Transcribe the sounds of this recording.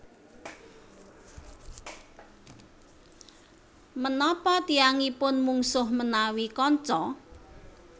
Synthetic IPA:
mənɔpɔt̪iaŋipʊnmuŋsʊhmənawikɔɲt͡ʃɔ

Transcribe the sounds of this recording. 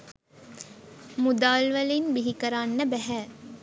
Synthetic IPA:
mud̪aːlʋɐlinbiɦikəɾaːnːəbæɦæː

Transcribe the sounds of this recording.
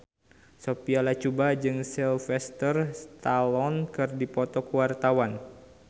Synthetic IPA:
sopialat͡ʃubad͡ʒɨŋsɛlfɛst̪ərst̪alɔnkɨrdipɔt̪ɔkəwart̪awan

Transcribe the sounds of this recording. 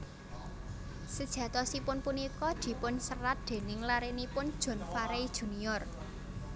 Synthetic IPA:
səd̥ʒ̥ä̤t̪ɔsipʊnpunikɔd̪̥i̤pʊnsərat̪̚d̪̥e̤nɪŋlaɾenipʊnd̥ʒ̥ɔ̤nfaɾeid̥ʒ̥ṳniɔr

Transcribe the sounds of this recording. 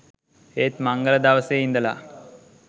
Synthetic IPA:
eːt̪maŋɡələd̪aʋəsejind̪əla̰

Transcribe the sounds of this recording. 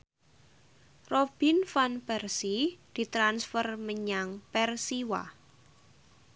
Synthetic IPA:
rob̥infanpɛrsid̪̥i̤t̪ɾansfərməɲaŋpɛrsiwa̰

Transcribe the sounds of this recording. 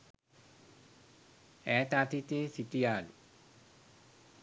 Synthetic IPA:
ɛt̪at̪ʰit̪eːsit̪iaːlu

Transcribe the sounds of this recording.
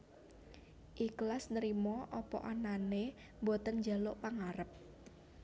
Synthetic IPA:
ʔiklasnəɾimɔʔɔpɔ̰ʔanane | mbot̪ənd͡ʒa̤loʔpaŋaɾəp̚

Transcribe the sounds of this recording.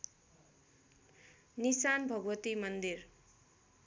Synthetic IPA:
nisanbʱʌɡwʌt̪imʌnd̪ir

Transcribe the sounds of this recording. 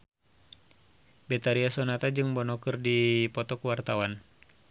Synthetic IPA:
bɛt̪aɾiasɔnat̪ad͡ʒɨŋbɔnɔkɨrdipɔt̪ɔkuwart̪awan

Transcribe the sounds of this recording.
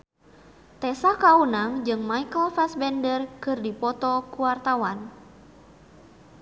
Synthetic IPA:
t̪ɛsakaunaŋd͡ʒɨŋmaikəlfɛsbɛndərkɨrdipɔt̪ɔkuwart̪awan

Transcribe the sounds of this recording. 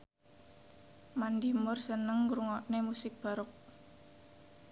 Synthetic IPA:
mand̪imʊrsənəŋɾuŋɔʔnemusɪk̚b̥a̤ɾʊk̚

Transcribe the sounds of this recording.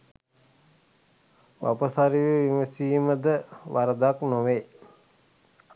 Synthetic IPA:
ʋa̰pəsaɾiʋeʋiməsiːməd̪əʋaɾəd̪aknoʋe

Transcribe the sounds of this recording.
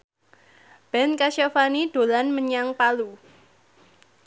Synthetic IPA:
b̥ɛnkaʃafanid̥o̤lanməɲaŋpalu

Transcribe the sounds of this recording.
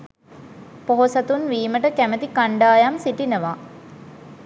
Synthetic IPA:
poɦosat̪unʋiːməʈəkæmət̪ikaɳɖaːjamsiʈinəʋa

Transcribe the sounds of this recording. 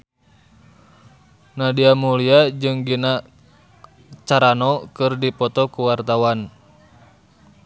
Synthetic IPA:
nadiamuliad͡ʒɨŋɡina | t͡ʃaɾanɔkɨrdipɔt̪ɔkuwart̪awan

